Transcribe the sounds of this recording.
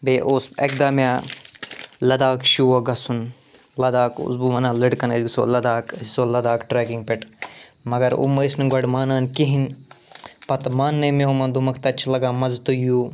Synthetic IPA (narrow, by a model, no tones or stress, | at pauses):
beːʔosɐ̰k̚d̪aːmʲjaː | lɐd̪aːkʃuːɐɡɐsun | lɐd̪aːkṵsbuʋɐnãːliɖkɐnɐɡiso̰ːlɐd̪aːkɐsoːlɐd̪aːkʈɾɛːkiŋɡ̚peʈmɐɡɐɾṵmesnɡɐɽmaːnaːnkiɦin | pɐt̪maːnːemẽomɐ̃nd̪umɐkt̪ɐt͡ʃʰlɐɡaːmɐzt̪ujuː